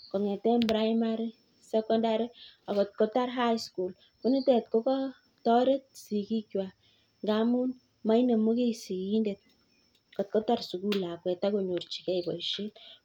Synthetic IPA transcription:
kɔ˨ŋɛ˨tɛ˦mbɾa˦jma˦ɾi˦ | sɛ˦kɔ˦nda˨ɾi˦a˨kɔ˨t̚kɔ˦ta˦ɾɦa˦jsku˨l | ku˦ni˦tɛ˨t̚ko˦kɔ˦ | tɔ˦ɾe˦t̚si˨ki˦kwa˨ | ŋɡa˦mu˦n | ma˦i˦ne˨mo˦ke˦si˨ki˨i˦nde˨t̚ | kɔ˨t̚kɔ˦ta˦rsu˨ku˦la˨kwɛ˨ta˦ko˨ɲo˨rt͡ʃi̥˨kɛ˦ibɔ˨iʃe˦t

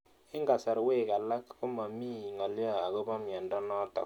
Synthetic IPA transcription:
ɪ˦ŋɡa˨sa˨ɾwe˦˨ka˨la˦kkʊ˦ma˨mi˦˨ŋɔ˨lja˦a˨ko˦bɔ˦mja˨ndɔ˦nɔ˦tɔ̰˨

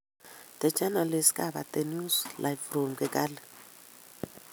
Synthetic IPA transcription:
tɛ˨t͡ʃʰʼa˦na˨le˨si̥˦kʼa˨ɓa̰˨tʼe˨nu˦slʔa˨jfromkɛkʼaː˦lɛ˨

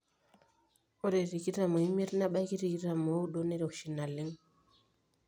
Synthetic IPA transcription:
o˦ɾe˨ɾi˨ki˦ɾa˨mo˨i˦me˦ɾna˦ɓa˦ki˦ɾi˨ki˦ɾa˨mo˨u˦ɗo˦ne˦ɾo˨kʃi˨na˨li˦ŋ

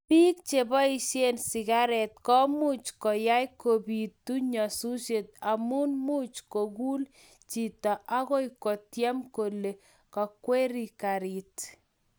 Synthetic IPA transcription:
pi˦k̚t͡ʃe˨bɔ˦i˦ʃe˦nsɪ˨ɡa˦ɾɛ˨t̚kɔ˦mu˦t͡ʃkɔ˨ja˦jko˨bi˨tːu˦ɲɔ˨su˦ʃe˨t̚a˨mu˦nmu˦t͡ʃko˨ɡu˦l | t͡ʃi˨tɔ˨ʔa˦ko˦jkɔ˨tjɛ˦mko˨le˨ | kɔ˨kwe˦ɾi˨kaɾi˨t

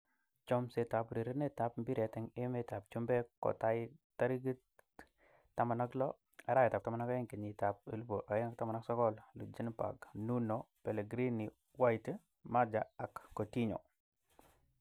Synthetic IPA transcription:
t͡ʃɔ˦mse˨ta˨pɾi˨ɾə˦ne˦ta˨pmbi˦ɾe˨tɛ˨ŋe˦me˦ta˨p̚t͡ʃu˦mbe˦kːo̰˨ta˦ji˦ta˦ɾi˦ɡi˦ | ta˦ma˨na˦klo˦ | a˨ɾa˦jɛ˨ta˨p̚ta˦ma˨na˦ka˦i˦ŋke˨ɲi˨ta˨p̚ə˨lu˦bo˨ʔa˨jɪ˦ŋa˦k̚ta˦ma˨na˦ksɔ˦ɡɔ˦llu˨d͡ʒi˦npa̰˨ɡnu˦no˨pe˨le˨ɡɾi˦ni˨ | wa˦jt | ma˦d͡ʒa˨a˨kːo˨ti˦ɲo˨

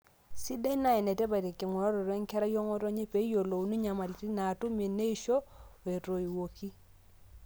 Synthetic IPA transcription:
si˦da˦i˦na˨ɛ˨nɛ˨tɛ˦ba˨te˨ki˨ŋɔ˨ɾɔ˦ɾɔ˨ɾɛ˦ŋ˦kɛ˦ɾa˦jo˦ŋɔ˦to˦ɲi˦pe˨˦jo˨lo˨u˨˦ni˦ɲa˨ma˨li˨ti˦na˨tu˦mi˨ne˦i˦ʃo˦e˨ɾo˨i˨wo˨ki˦

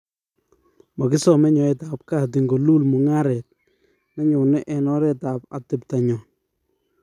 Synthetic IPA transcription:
mɔ˨kɪ˦sɔ˨mɛ˦ɲɔ˨ɛ˨ta˨p̚ka˦˨t̬i˨ŋɡo˨lu˦lmu˨ŋa˦ɾɛ˨t̚ | nɛ˦ɲʊ˨nɛ˦ʔɛ˨nɔ˦ɾɛ˦ta˨pa̰˨tɪ˨pta˨ɲɔ˨n

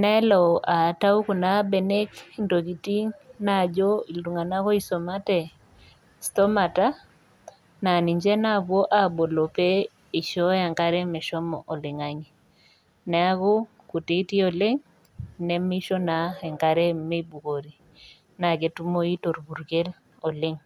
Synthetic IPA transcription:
na˦ɛ˦lɔ˨ʔa˨ta˦u˦ku˨na˦bɛ˨ne˦kindo˨ki˨ti˦ŋna˦˨d͡ʒɔ˦i˨lu˨ŋa˨na˦kɔ˦i˦so˨ma˦tɛ˨ | stɔ˦ma˨ta˦ | na˨ni˨ɲd͡ʒɛ˦na˦bwo˦ʔa˦˨bo˨lo˨pɛ˦ | i˨ʃɔ˦ja˨ŋka˦ɾɛ˦mɛ˨ʃɔ˦mɔ̰˨ʔɔ˨le˨ŋaɲi˨ | nɛ˨a˦kɔ˦ | ku˨te˨˦ti˦ɔ˨le˦ŋ | nɛ˦mi˦ʃɔ˦na˦ɛ˨ŋka˦ɾɛ˦me˦bu˨ko˨ɾi˨ | na˨ɡe˨tu˦mo˦i˦to˨ɾbu˨ɾɡe˦l | ɔ˨le˦ŋ

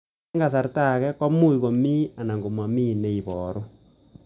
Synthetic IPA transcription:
ŋɡa˨s̬a˨ɾta˦˨kɛ˦kwa˦mu˦i˨βo˨mi˦a˨na˨ŋɡo˨ma˨mi˦ne˦i˨βɔːɾo˦

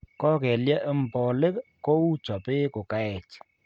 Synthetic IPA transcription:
kɔ˦kɛ˨lja˦ʔɛ˦m˨pɔ˨lɪ˦kko˦u˦t͡ʃɔ˨pɪ˦kʊ˨ka˦ɛ˨t͡ʃ

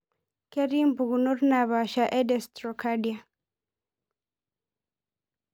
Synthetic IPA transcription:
ke˦ɾimbu˨ɣuno˦ɾna˨βa˨ʃa˨ʔe˦dɛstɾɔ˨kadia˨

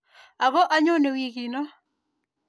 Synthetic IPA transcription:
a˨ɡɔ˦ʔa˦ɲo˦ne˨wi˦ɡi˨nɔ˦

